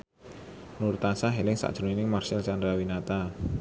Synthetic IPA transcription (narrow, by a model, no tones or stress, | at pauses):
nuɾt̪asaɦelɪŋsa̰ʔd̥ʒ̥uninɪŋmarsɪlt͡ʃand̪ɾawinat̪a